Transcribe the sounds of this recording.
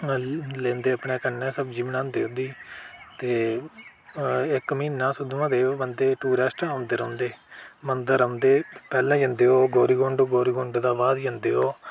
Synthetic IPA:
lẽːnd̪eːəpɳeːkənːɛ̃ːsəbd͡ʒiːʋnãːnd̪eːod̪iːt̪eː | ɪkmɪiːnːãːsʊd̪uãːd̪eːoːbənd̪eːʈuːɾɛːsʈːaʊnd̪eːɾə̃ʊnd̪eːmənd̪əɾəʊnd̪eːpɛːlãːd͡ʒə̃nd̪eːɦoːɡoːɾiːɡõɳɖoːɡoːɾiːɡõɳɖd̪aːʋaːd̪d͡ʒə̃nd̪eːɦoː

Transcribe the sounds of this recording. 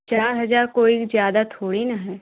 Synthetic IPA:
t͡ʃaːɾɦɐzaːɾkoːikzjaːd̪at̪ʰoːɽinɐɦɛː

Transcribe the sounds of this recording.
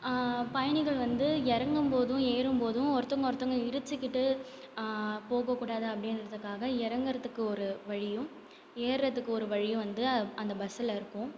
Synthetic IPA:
pɐjɐɳɪɣɐɭʋɐnd̪ɯɛɾɐŋɡɯmpoːðʊ̃eːɾɯmpoːðʊ̃ɔɾɐt̪ːɔŋɡɐɔɾt̪ːɐŋɡɐɪɾɯt͡ʃːɯkːɪʈːɯ | poːɣɐkːuːɽaːðɯɐpːɐɽɪnɾɐðɯkːaːɣɐɪɾɐŋɡɐɾɐt̪ːɯkːɯɔɾɯʋɐɻɪjɯ̃ | eːɾɾɐt̪ːɯkːɯɔɾɯʋɐɻɪjʊ̃ʋɐnd̪ɯɐnd̪ɐbɐsɪlɪɾɯkːʊ̃

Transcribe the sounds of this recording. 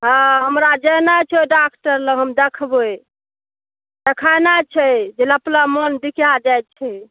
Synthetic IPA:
ɦãɦəmɾad͡ʒənat͡ʃʰɛɖakʈəɾləɦəmd̪ekʰboe | d̪ekʰajnat͡ʃʰɛd͡ʒeləplamənd̪ikjad͡ʒajt̪̚t͡ʃʰɛ

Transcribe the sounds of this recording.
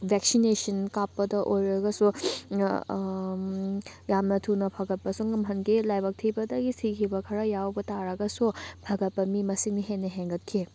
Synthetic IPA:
bʱeksinesɐnkapːɐdɐʔojɾɐɡɐsu | jamnɐtʰunɐpʰɐɡɐt̚pɐsuŋɐmɦɐnɡilajbɐk̚tʰibɐdɐɡisikʰibɐkʰɐɾɐjawbɐtaɾɐɡɐsupʰɐɡɐt̚pɐmimɐsiŋniɦenːɐɦeŋɡɐt̚kʰi

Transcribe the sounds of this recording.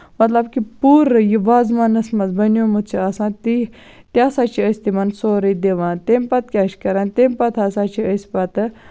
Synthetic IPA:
mɐt̪lɐbkipuːɾjiʋaːzmɐnɐsmɐzbɐnjomut̪t͡ʃʰiasãːt̪i | t̪jaːsaːt͡ʃʰiəsʲt̪imɐnsoːɾid̪eʋãːt̪empɐt̪̚kʲaːʃkɐɾãːnt̪empɐt̪ʰaːsaːt͡ʃʰiəsʲpɐt̪

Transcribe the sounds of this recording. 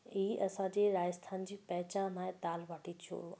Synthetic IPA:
iɦiʔɐsãd͡ʑeːɾaːd͡ʑəst̪ʰaːnd͡ʑiːpɐɦɪt͡ɕaːnãːɪ̃t̪aːlʋɐʈit̪ʰo̰

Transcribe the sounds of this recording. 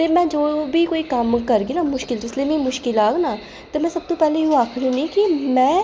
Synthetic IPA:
t̪eːmɛ̃ːd͡ʒoːbiːkoːiːkəmkəɾɡiːnaːmʊʃkɪld͡ʒɪsleːmĩːmʊʃkɪlaːɡnaː | t̪eːmɛ̃ːsəb̚t̪õːpɛːlẽːjũːaːkʰɽũːnĩːkimɛ̃ː

